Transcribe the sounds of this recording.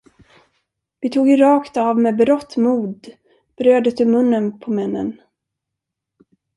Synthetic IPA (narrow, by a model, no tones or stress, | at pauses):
vɪt̪ʰuːɡɪɾɑːkt̪ɑvmeːbɾɔt̪ːmuːd̪ | b̥ɾøːd̪ət̪ɵmɵnːənpʰɔmɛnːə̰n